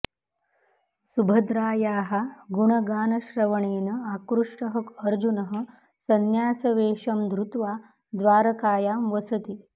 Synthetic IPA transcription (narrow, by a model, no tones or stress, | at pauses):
subʱɐd̪ɾaːjaːɦaɡuɳɐɡaːnɐʃɾɐʋɐɳeːnɐakɾuʂʈɐɦɐkɐɾd͡ʒunɐɦɐ̆ | sɐnjaːsɐʋeːʂɐmd̪ɾut̪ʋaː | d̪ʋaːɾɐkaːjaːmʋɐsɐt̪i